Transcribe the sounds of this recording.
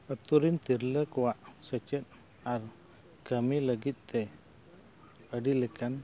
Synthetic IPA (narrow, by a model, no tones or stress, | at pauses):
ət̪uɾint̪iɾləkuwaʔsət͡ʃət̪̚ | aɾ | kəmiləɡit̪t̪ɛ | ədiləkan